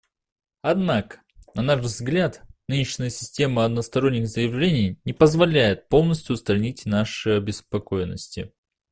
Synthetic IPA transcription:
ɐd̪nakə̥ | nɐnaʂzɡlʲat̪nɨnʲɪɕnʲəjəsʲɪ̥sʲtʲe̞məɐd̪nəst̪ɐɾonʲːɪxzəjɪvlʲenʲɪjnʲɪpəzvɐlʲæjɪt̪̚po̞lˠnəsʲtʲʊst̪ɾɐnʲitʲnaʂɨɐbʲɪspɐko̞jnːə̰sʲtʲɪ̰

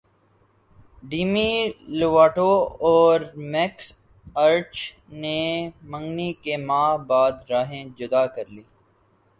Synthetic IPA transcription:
ɖiːmiloʋaːʈoɔːɾmɛks | ɐɾt͡ʃ | nemə̃ŋɡnikemaːɦbaːd̪ɾaːɦẽd͡ʒʊd̪aːkɐɾliː

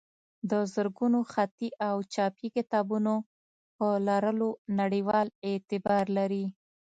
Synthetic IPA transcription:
d̪əzəɾɡunoxat̪iʔawt͡ʃɑpikɪt̪ɑbuno | pəlɑɾəlonaɽiwɑlɛt̪ɪbɑɾlaɾi

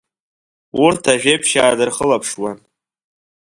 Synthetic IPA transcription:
urtʰaʒᶣejpʰʃaːdɨrχəlapʰʂwan

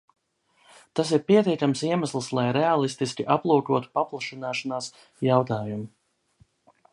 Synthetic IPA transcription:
t̪asiɾpiɛt̪ʲiɛkamsiɛmaslˠslˠajɾɛalˠist̪iskʲiʔaplˠuːkuɔt̪u̥paplˠaʃinaːʃanaːs | jawt̪aːjumu

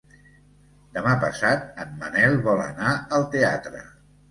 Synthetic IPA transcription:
d̪əmapə̰sat̪̚əmmə̰nɛlˠβɔlə̰naəlˠt̪ea̰t̪ɾə̰

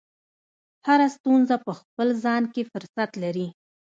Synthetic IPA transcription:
haɾast̪unzapəxpəlzɑnkefʊɾsat̪laɾi

